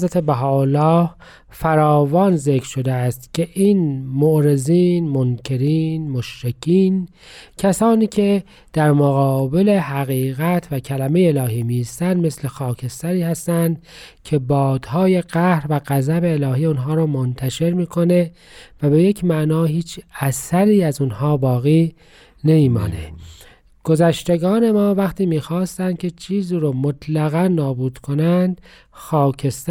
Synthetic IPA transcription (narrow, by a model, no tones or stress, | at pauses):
zɾæt̪ʰebæɦɒːolːɒːh | fæɾɒːvɒːnzekɾ̥ʃo̞d̪eæst̪cʲʰe̞ʔiːnmoʔɾe̞ziːnmonkʰe̞ɾiːnmoʃɾecʰiːn | cʰæsɒːniːcʲʰe̞ | d̪̥æɾmoɣɒːbe̞le̞ɦæɣiːɣæt̪ʰvæcʰælæme̞jeelɒːɦiːmist̪ænd̪mesle̞xɒːcʰe̞st̪æɾiːhæst̪ænd̪ | cʰe̞bɒːd̪̥hɒːje̞ɡæhɾvæɣæzæbe̞ːlɒːɦiːunɦɒːɾɔːmont̪ʰæʃe̞ɾmiːkʰo̞ne̞ | væbe̞je̞cʰmæʔnɒːɦiːt͡ʃʰæsæɾiːæzunhɒːbɒːɣiː | nemiːmɒ̰ːnḛ | ɡ̥ozæʃt̪e̞ɡɒːne̞mɒːvæxt̪iːmiːxɑːst̪ænd̪̚cʰe̞t͡ʃʰiːziːɾoːmot̪ʰlæɣænːɒːbuːd̪̥kʰo̞nænd̪̥ | xɒːcʰe̞st̪